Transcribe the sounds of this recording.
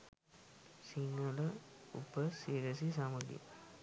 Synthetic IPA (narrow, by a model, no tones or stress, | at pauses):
siŋːɐləṵpəsiːɾəs̬isɐmud̪ḭ